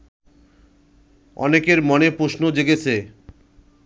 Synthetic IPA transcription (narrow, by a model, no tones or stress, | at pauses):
ɔ̰nekeɾmɔnepɾoʃnod͡ʑeɡet͡ɕʰe